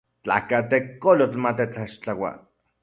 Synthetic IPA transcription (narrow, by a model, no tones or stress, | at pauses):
t͡ɬa̰kat̪ekːolot͡ɬmat̪et͡ɬaʃt͡ɬawa̰